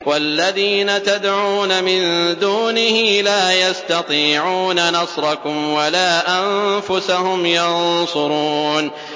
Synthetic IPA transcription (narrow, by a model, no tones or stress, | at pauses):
walːaðiːnat̪ad̪ʕuːnamɪnd̪uːnɪhilaːjast̪ɑt̪ˤiːʕuːnanɑsˤɾˤɑkʊmwalaːʔamfʊsahʊmjɑnsˤʊɾˤuːn